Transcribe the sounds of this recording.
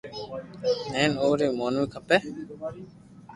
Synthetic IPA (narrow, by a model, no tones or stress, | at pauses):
nẽːnoːɾeːmoːnmiːkʰəpeː